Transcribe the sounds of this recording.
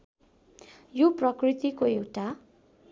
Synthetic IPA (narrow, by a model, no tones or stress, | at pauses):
joprʌkrit̪ikoewʈa